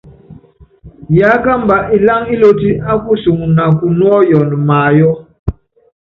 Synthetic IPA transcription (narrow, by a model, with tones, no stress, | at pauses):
ja˨˦ka˦m̩˦ba˨ʔi˨la˦ŋi˦lo˦ti˦a˦ku˦su˨ŋ˨na˨ku˨nwɔ˦jɔ˨n˨maː˨jɔ˦